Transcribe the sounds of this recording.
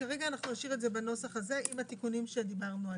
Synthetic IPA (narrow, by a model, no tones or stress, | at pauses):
kaʁeɡaːnaχnunaʃiʁeze̞beno̞saχaze̞imhat̪ikunimʃe̞d̪ibaʁnua